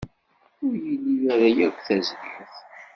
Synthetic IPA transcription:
ʊɾjilːivæðæjækʷθæzdəθ

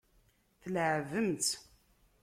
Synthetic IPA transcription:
θəlʕvəmt̪

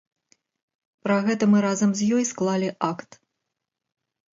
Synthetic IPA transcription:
pɾɐɣɛt̪ɐmɨɾazɐmzʲjɔjsklˠalʲiʔakt̪

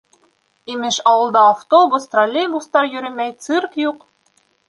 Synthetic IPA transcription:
imɘʃɑwɤ̆lˠd̪ɑːft̪obust̪rolʲeɡust̪ɑɾjɵ̆ɾɘmæjt̪sɨrkjuq

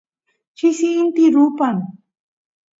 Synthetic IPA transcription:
t͡ʃɪsint̪ɪɾʊpam

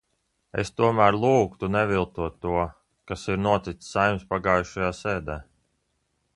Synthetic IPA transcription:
ḛst̪uɔmæːɾlˠuːkt̪unɛvilˠt̪uɔt̪ːuɔ | kasiɾnuɔt̪it̪sːajmspaɡaːjuʃajaːsɛːd̪ɛː

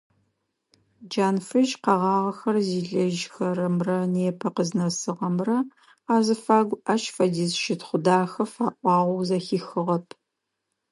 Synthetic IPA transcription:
d͡ʒaːnfɨʒqɐʁɑːʁɐxɐrziːɮɐʒxɐɾɐmrɐneːpʰɐqəznɐsɨʁɐmrɐ | aːzɨfaːɡʷɐʃfɐdiːzʃɪtχʷʊdaːxɐfaːʔʷɑːʁʷɔwzɐxiːxɨʁɐpʰ

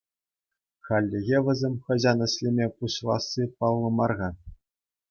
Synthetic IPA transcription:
χɑlʲːĕɣʲeʋʲɘ̆zʲemʲχɤ̆ʑɑnɤ̆ɕlʲemʲepuɕlˠɑsːipɑlˠːɤ̆mɑrʁɑ

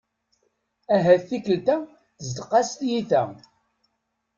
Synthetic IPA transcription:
æɦæθːikəlt̪æ | θəzd̪əqːɑst̪jiθæ̰

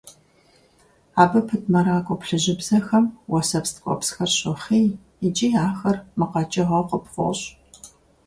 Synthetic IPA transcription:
aːbɐpʰɨt̚ʰmɐɾaːkʷʼɔpɬɨʑɪbz̥ɐxɐmwɔsɐpstʰkʷʼɔ̰psxɐrɕʼɪχiː | ɪd͡ʒʼijaːxɐrmɨqɐt͡ʃʼɐʁɐqəpχʷʊ̰ɕ

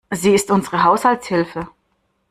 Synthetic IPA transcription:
ziːɪstʔʊnzəʁəɦaʊshaltshɪlfə

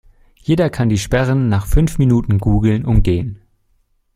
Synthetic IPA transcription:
jeːdɐkʰandiːʃpɛʁənːaːχfʏnfminuːtn̩ɡuːɡl̩nʔʊmɡeːən

